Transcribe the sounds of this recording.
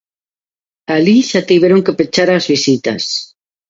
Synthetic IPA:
aliʃat̪iβeɾoŋkepet͡ʃaɾaːzβisit̪a̰s

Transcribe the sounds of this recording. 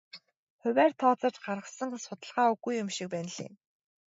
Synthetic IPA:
χʊ̟wʲæːrt̪ʰɔːt͡sə̆t͡ɕɢaɾʁə̆χsə̆ŋsʊt̪ə̆ɮʁaːuɣujːʊmʃik̚pæːn̆ɮḭːn

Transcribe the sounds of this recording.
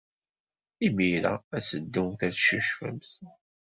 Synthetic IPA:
imiɾæ̰æsəd̪ːuθæðʃəʃfə̰mθ

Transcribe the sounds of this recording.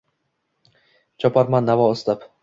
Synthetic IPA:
t͡ʃʰɒpʰaɾmanːavɒɒst̪ap

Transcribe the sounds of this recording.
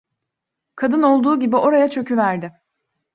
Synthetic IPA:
kʰad̪ɯno̞lˠd̪uːɟibiʔo̞ɾajat͡ʃʰø̞cʰyvæɾd̪ɪ

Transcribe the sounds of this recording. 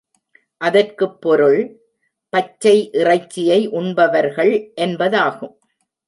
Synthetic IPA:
ʔɐðɐrkɯpːɔɾɯɭ | pɐt͡ʃːɐɪʔɪrɐɪt͡ʃːɪjɐɪʔʊɳbɐʋɐɾɣɐɭʔɛnbɐðaːɣɯm

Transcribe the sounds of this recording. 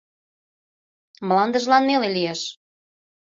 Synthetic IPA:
mlɑnd̪əʒlɑnmelelijeʃ

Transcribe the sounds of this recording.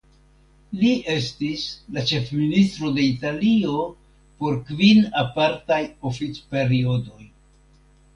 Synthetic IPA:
liʔe̞stislat͡ʃe̞fministɾo̞de̞italio̞ | po̞ɾkvinapaɾtajo̞fit͡spe̞ɾio̞do̞j

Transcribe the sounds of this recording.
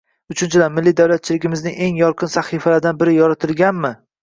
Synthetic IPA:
ʊt͡ʃʰʊnt͡ʃʰɪd̪anmɪlːid̪awlat̪̚t͡ʃʰɪlɪɡʲɪmɪznɪŋe̞ŋjɒɾqʰɨnsaχifalaɾd̪anbɪɾɪjɒɾat̪ʰɪlˠɡʲanmɪ

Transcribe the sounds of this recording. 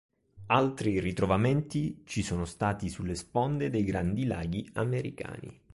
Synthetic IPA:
alt̪ɾirit̪ɾovamɛnt̪it͡ʃisɔːnost̪aːt̪isulːespɔnd̪ed̪ejɡɾand̪ila̰ːɡiameɾḭka̰ːnḭ

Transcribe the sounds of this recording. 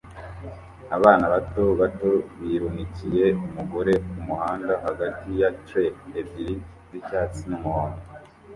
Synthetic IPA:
aβaːnaβato̞βato̞βiɾumicije̞umuɡo̞ɾe̞umuhaːndahaɡatijatweebiɾi | zicaːt͡sinumuhoːno

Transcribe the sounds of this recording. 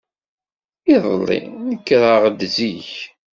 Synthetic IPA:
iðˤəlːḭnəkːɾəʁd̪ziç

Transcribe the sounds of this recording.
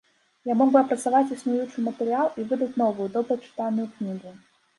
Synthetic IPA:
jamɔɡbɨɐpɾɐt̪savat͡sʲisnujut͡ʂɨmɐt̪ɛɾɨalˠivɨd̪ɐt͡sʲnɔvɨjud̪ɔbɾɐt͡ʂɨ̥t̪anʊjuknʲiɣu

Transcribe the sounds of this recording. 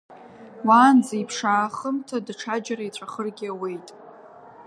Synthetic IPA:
waːnd͡zejpʰʂaːχəmtʰadʈ͡ʂʰad͡ʒarait͡ɕʷʰaχərɡʲɪawe̞jtʼ

